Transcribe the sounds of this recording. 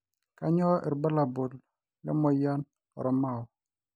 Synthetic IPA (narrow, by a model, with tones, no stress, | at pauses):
ka˦ɲɔ˦ʔɛ̰˨ɾba˦la˨bo˨l | lɛ̰˦mɔ˨ja˦n | ɔ̰˨ɾɔ˦ma˦˨ɔ˨